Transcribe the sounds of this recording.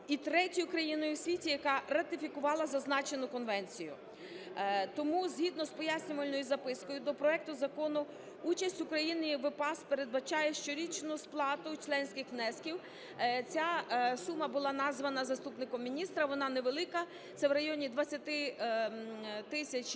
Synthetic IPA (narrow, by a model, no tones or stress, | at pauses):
it̪ɾɛtʲɔjʊkɾɐjinɔjʊwsʲʋʲitʲijɐkɑrɐt̪ɪfʲikʊʋɑlˠɐzɐznɑt͡ʃe̞nʊkɔnʋɛnʲt͡sʲijʊ̰ | t̪ɔmuzʲɦʲid̪nɔspɔjasʲnʲʊʋɐlʲnɔjʊzɐpɪskɔjʊd̪ɔpɾɔɛk̚t̪ʊzɐkɔnʊ | ut͡ʃɐsʲtʲʊkɾɐjinɪʋɪpɑspeɾed̪̚bɐt͡ʃɑjɛʃt͡ʃɔɾʲit͡ʃnʊsplˠɑt̪ʊt͡ʃlˠɛnʲsʲkʲɪxmnɛskʲiw | t͡sʲasumɐbʊlˠɑnɑzʋɐnɐzɐst̪upnɪkɔmːʲinʲist̪ɾɐʋɔnɑneʋelˠɪkɐ | t̪sɛwɾɐjɔnʲid̪ʋɐt͡sʲːɐt̪ɪ | t̪ɪsʲɐt͡ʃʲ